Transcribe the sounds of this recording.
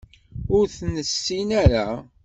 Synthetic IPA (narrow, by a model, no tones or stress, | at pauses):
ʊɾθnəsːinaɾa